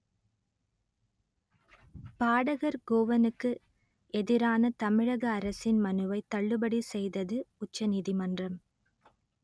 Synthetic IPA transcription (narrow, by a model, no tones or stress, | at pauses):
paːɽɐɣɐɾɡoːʋɐnɯkːɯ | ɛðɪɾaːnɐt̪ɐmɪɻɐɣɐːɾɐsɪnmɐnɯʋɐɪt̪ːɐɭːɯbɐɽisɛjðɐðɯʊt͡ʃːɐniðimɐndrɐm